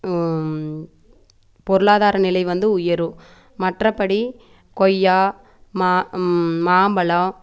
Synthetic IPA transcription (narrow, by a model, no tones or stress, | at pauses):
pɔɾɯɭaːðaːɾɐnɪlɐɪʋɐnd̪ɯʊjɐɾɯ | mɐʈrɐpːɐɽi | kɔjːaː | ma | maːmbɐlɐ